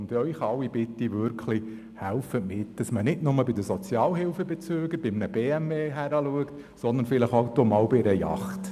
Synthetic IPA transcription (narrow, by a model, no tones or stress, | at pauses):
nt̪œiχɑlwːib̥ɪt̪ːiʋʏɾkʰli | hælfətmɪtd̥ɑsmənɪtnʊməlbid̪əsɔt͡sjɑːlɦɪlfəbet͡søːɡəɾb̥ɪmnəbeːæmeːɦæɾɑluəkt | sɔnd̪ənfɪləχoʊt̪omɑːlbiɾəjɑ̰χt̪